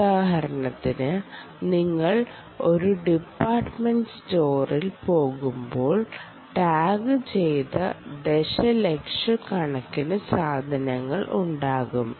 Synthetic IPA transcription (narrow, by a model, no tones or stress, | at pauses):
aːɦɐɾɐnɐt̪ːinɨ | niŋːɐɭ | o̞ɾuɖipːaːrʈmeɳɖɨsto̞ːrilpo̞ːɣumbo̞ːɭ | ʈaːɡɨt͡ɕe̞jt̪ɐd̪eʂɐlekʂɨkɐɳɐkːinɨsaːd̪ʱɐnɐŋːɐɭʔṵɳɖaːɣum